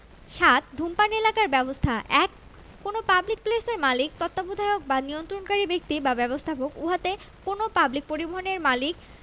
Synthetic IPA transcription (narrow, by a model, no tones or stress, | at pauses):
ʃat̪̚d̪ʱumpanelakaɾbɛbost̪ʰaʔɛkː | onopablik̚pleseɾmalik̚t̪ɔt̪ːabud̪ʱaeok̚baniont̪ɾonkaɾibek̚t̪ibabɛbost̪ʰapokuɦat̪e | konopablik̚poɾiboɦoneɾmalik̚